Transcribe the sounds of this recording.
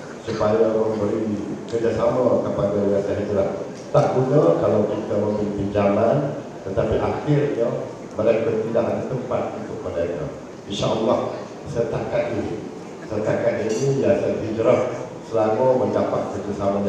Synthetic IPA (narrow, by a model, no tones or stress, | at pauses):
supajaməmbəɾikərd͡ʒasamək̪apaŋɡəɾiɾasaɦit̪ulah | t̪aʔɡunəkalawkit̪əməmbəɾipiɲd͡ʒaman | t̪ət̪apiʔaxɪrɲə | məɾajkənt̪idaʔɦanat̪əmpat̪̚unt̪ʊk̚məndaiɲa̰ | inʃaʔəlːah | sərt̪akat̪̚ini | sərt̪akat̪inijasət̪id͡ʒəɾapsəlaməməndapat̪̚kət̪usamaɲ